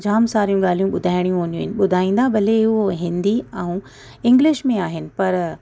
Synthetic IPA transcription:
d͡ʑaːmsaːɾijũɠaːl̤ijũɓʊd̪ʱaːɪɽ̃ijũɦoːnijũɦɪnɪ̆ɓʊd̪ʱaːĩːnd̪abɐleʊɦoɦɪ̃nd̪iɛ̃ũ | ɪ̃ŋɡlɪʃmẽaːɦɪnɪ̆pɐɾ

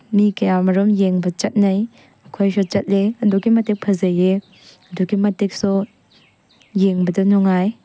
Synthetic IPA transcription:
mikɐjamɐɾɔmjeŋbɐt͡ʃɐt̚nɐj | ɐkʰojsɔt͡ʃɐt̚leɐduɡimɐtek̚pʰɐzɐje | ɐduɡimɐtek̚sɔ | jeŋbɐdɐnɔŋaj

